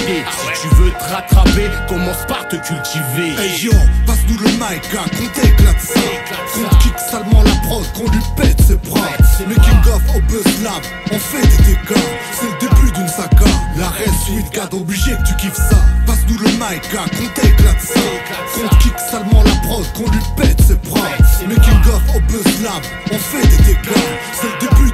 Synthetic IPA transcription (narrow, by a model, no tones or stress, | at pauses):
esit̪yvøt̪əʁat̪χapekɔmɑ̃spaʁt̪əkʲylt̪iveaʒɔ̃pasd̪ulənajkakɔ̃t̪eklat̪sɔ̃ | kɔ̃t̪kiksalmɑ̃lapχɔt̪kɔ̃lypɛsɛpχɔ̃mɛkʲiɡɔfobɔslap | ɑ̃fɛ̃d̪it̪eka | sɛləd̪ebyd̪ənsakalaʁɛsyt̪kad̪ɔbliʒekə̥t̪ykʲifsapaʁsd̪uləmajkːakɔ̃t̪eklat̪sɛ̃ | kɔ̃t̪kiksalmɑ̃lapʁɔt̪kɔ̃lipɛt̪ɛpχɔ̃t̪mɛkilɡɔfɔbəslab | ɑ̃fɛd̪et̪ekla | sɛləd̪eby